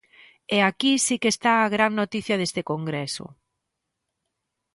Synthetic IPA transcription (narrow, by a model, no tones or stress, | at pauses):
ɛakisikest̪aaɣɾaŋnot̪iθjɐðest̪ɪkoŋɡɾesʊ̰